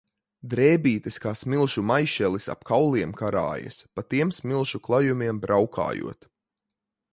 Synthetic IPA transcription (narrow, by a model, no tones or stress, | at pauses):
d̪ɾɛːbiːt̪ɛskaːsmilˠʃumajʃɛlisa̰pkʰawlˠiɛmkaɾa̰ːjɐ̰spat̪iɛmsmilˠʃuklˠajumiɛmbɾʔawkʰa̰ːjṵɔt̪